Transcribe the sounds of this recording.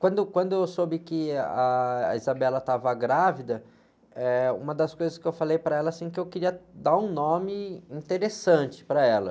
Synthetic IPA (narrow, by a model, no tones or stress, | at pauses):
kwɐ̃nd̪ʊkwɐ̃nd̪ʊewsobɪkɪɐizabɛlɐt̪avɐɡɾavid̪ɐ | ɛṵ̃mɐd̪ɐskojzɐskɪewfalejpɾɐɛlɐsĩkɪewkɪɾiɐd̪aɾũnõmɪĩt̪eɾesɐ̃t͡ʃɪ̥pɾɐɛlɐ̰